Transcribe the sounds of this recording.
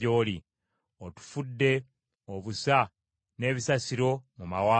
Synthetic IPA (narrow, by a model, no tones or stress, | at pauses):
oːli | otu̥fudːe̞ | oβusa | ne̞ːβisasiɾo̞mumawaː